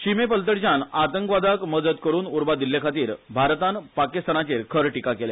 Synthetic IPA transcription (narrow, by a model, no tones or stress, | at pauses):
ɕimepəlt̪əɽd͡ʑanat̪əŋkʋad̪akməd̪əd̪kəɾuːnuɾbad̪ilːekʰat̪iːɾbʱaɾt̪anpakist̪anat͡ɕeɾkʰəɾʈikakele